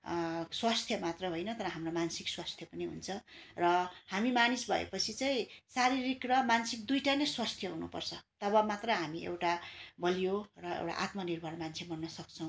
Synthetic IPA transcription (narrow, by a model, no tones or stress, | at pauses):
swast̪ʰjʌmat̪rʌɦojnʌt̪ʌɾʌɦamromansikswast̪ʰjʌpʌniɦṵnt͡sʰʌrʌhamimanisbʱʌ̰ḛpʌt͡sʰit͡sʌĩsaɾiɾikrʌmansikd̪ujʈanʌswast̪ʰjʌɦunṵpʌrt͡sʰʌt̪ʌβʌmat̪rʌɦamiḛwʈabʌlijorʌḛwʈa̰ʔa̰t̪mʌnirbʱʌnmant͡sʰemʌnːʌsʌk̚t͡sʰʌ̃w̃